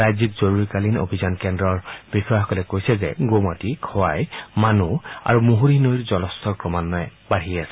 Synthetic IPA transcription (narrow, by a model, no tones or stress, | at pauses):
ajzikzoɹuɹikalino̰bʱizankɛndɹɔɹb̥ixɔaxɔkɔlɛkojsɛzɛ̰ɡomatikʰɔwajmanua̰ɹumuɦuɹinojɹzɔlɔst̪ʰɔɹkɹɔmanːɔjɛbaɦiasɛ̥